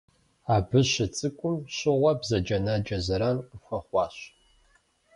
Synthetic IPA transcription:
aːbɨɕɪt͡sʼɨkʷʼʊmɕɪʁʷɐbzɐd͡ʒɐnad͡ʒʼɐzɐɾanqəxʷɐχʷɑːɕ

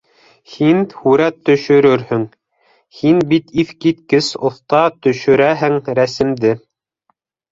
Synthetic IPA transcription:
hinhʉɾæt̪ːɵ̆ʃɵ̆ɾɵɾhɵŋ | hinbit̪iθkit̪kɘsŏθt̪ɑt̪ɵ̆ʃɵ̆ɾæɦɘŋɾæsɘ̆md̪ɘ

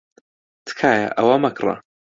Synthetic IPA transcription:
t̪ʰkʰaːja̰ʔɐwamɐkrˤa̰

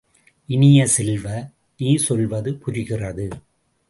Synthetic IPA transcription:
ʔɪnɪjɐsɛlʋɐ | niːsɔlʋɐðɯpʊrɪɣɪrɐðɯ

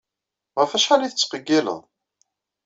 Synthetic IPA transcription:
ʁæfæʃħaliθə̥t͡sːqəɡːilə̰ðˤ

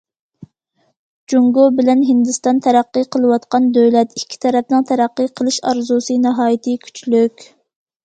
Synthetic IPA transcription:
d͡ʒuŋɡobɪlɛnɦɪnd̪ɨst̪ɑnt̪ʰɛɾæqːəqʰəlˠɨwɑt̪qɑnd̪øwlɛt̪ikʲʰːi̥t̪ʰɛɾɛpnɨŋt̪ʰæɾæqːəqʰəlˠɨʃɑɾzusɨnɨɦɑːjit̪ʰɨkʲʰy̥t͡ʃlykʲ

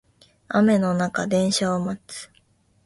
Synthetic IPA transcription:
a̰me̞no̞nakad̪ẽ̞ɰ̃ɕaomat͡sɨ̥

